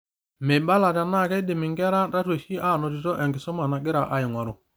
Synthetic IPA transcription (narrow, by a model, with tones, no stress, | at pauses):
me˨ba˦la˨ta˨na˦˨kɛ˦dɪ˨mɪ˨ŋɡɛ˦ɾa˦ɾa˦twe˨ʃi˦ʔa˦˨nɔ˨ti˨tɔ˦ʔɛ˨ŋɡɪ˨sɔ˦ma˨na˨ɡɪ˦ɾa˨ʔa˦ɪ˨ŋʷa˨ɾʊ˨